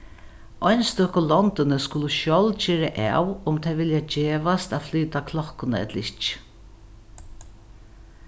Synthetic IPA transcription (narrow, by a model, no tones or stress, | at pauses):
ʔɔjnst̪ɔkʊlɔnt̪ɪnəskʊləʃɔld͡ʒeːɾaʔa̰ːwʊmt̪ʰɛʋɪljad͡ʒeːʋast̪aðflyːt̪akʰlɔhkːʊnəɛ̰t̪lɪt͡ʃ